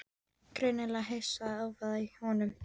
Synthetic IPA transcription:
kɾeɥnɛlaɦejsaðawvaðihɔnʏm

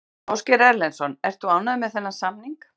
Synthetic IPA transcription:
ɔwscɛɾɛɾlɛnsɔnɛr̥t̪θuaːwnaðɪmɛðθɛnːasamniŋk

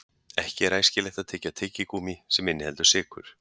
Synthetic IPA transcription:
ɛhcɪɛɾaːjscɪlɛxt̪aðt̪ʰɛːcːat̪ʰɪcːɪkuːmisɛmɪnːɪhɛlt̪ʏ̥ɾsɪːkʰʏ̰ɾ̥

